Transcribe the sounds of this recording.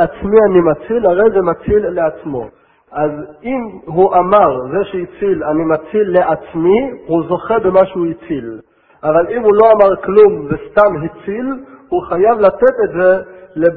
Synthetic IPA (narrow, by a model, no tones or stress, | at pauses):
at͡smianimat͡silhaʁe̞jzemat͡silːeat͡smo̞̰ | ʔazimɦuʔamaʁzeʃeit͡silanimat͡silːeʔat͡smihuzo̞χebemaʃuhit͡sil | ʔavalimhulo̞amaʁklumvest̪amɦit͡silhuχajavlat̪et̪etzele